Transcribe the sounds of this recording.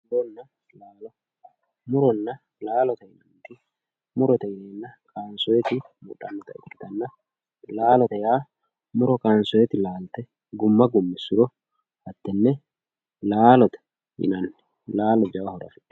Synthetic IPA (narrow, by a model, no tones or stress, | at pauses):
mʊɾɔnːɐ | laːlɔ | mʊɾɔnːɐ | laːlɔt̪ɐɪnɐnt̪ɪ | mʊɾɔt̪ɐɪneːnːɐkʼaːnsɔjɛt̪ɪ | mʊ̰ᶑɐ̰mːɔt̪ɐɪt̪ɪt̪ɐnːɐ | laːlɔt̪ɐjaː | mʊɾɔkʼaːnsɔjɛt̪ɪlaːlt̪ɛ | ɡʊmːɐɡʊmːɪsʊɾɔ | hɐt̪ːɛnːɛ | laːlɔt̪ɐ̥ | ɪ̰nɐnːɪ̥ | laːlɔd͡ʒɐwɐhɔɾɐ̰n